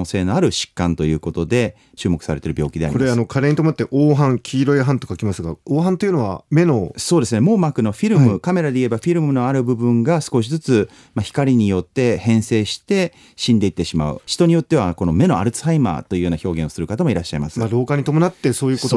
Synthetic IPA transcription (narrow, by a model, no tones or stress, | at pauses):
se̞ːno̞aɾɯ̟ɕi̥kːãnt̪o̞jɯ̟ːko̞t̪o̞d̪e̞ | t͡ɕɨːmo̞kɯ̟̥saɾe̞t̪e̞ɾɯ̟bʲjo̞ːkʲid̪e̞aɾkioɾeano̞kʰaɾeɲ̟it̪omonat̪ːeʔoːɦãŋkʲʰiːɾo̞eɦãnt̪okakʲimasɨɡaoːɦãnt̪o̞jiɯ̟no̞βa̰me̞no̞so̞ːd̪e̞sɨnemo̞ːmakɯ̟no̞ɸʲiɾɯ̟mɯ̟kame̞ɾad̪e̞ie̞baɸʲiɾɯ̟mɯno̞aɾɯ̟bɯ̟bɯ̟̃ŋɡasɨ̥ko̞ɕ̬izɨt͡sɨ | maçi̥kaɾʲiɲ̟ijo̞t̪ːe̞hẽ̞ɰ̃se̞ːɕi̥t̪e̞ | ɕĩnd̪e̞it̪ːe̞ɕima̰ɯ̟̰ɕi̥t̪o̞ɲ̟ijo̞t̪ːe̞β̞ako̞no̞me̞no̞a̰ɾɯ̟t͡sɨ̥ɦaima̰ːt̪o̞jɯ̟ːjo̞ːnaço̞ːɡẽ̞ɰ̃o̞sɨɾɯ̟kat̪amo̞iɾaɕːaimasɨ̥maɾo̞ːkaɲ̟it̪omo̞nat̪ːe̞so̞ːjɯːko